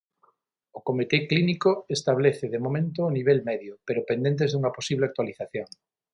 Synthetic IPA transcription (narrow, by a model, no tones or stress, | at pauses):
okomit̪eklinikoest̪aβ̞leθeðemomẽnt̪oːniβ̞elmeðjopeɾopend̪je̞nt̪̬ezðuŋaposiβleak̚t̪waliθaθjoŋ